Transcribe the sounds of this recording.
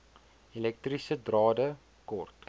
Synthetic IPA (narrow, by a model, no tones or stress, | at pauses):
ilɛk̚trisədrɑːdə | kɔrt